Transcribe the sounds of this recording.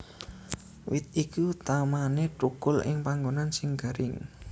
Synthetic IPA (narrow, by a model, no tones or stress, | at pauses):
wɪt̪̚ikut̪amaneʈuɡ̥ʊlɪ̰ŋpaŋɡonansɪŋɡ̥a̤ɾɪŋ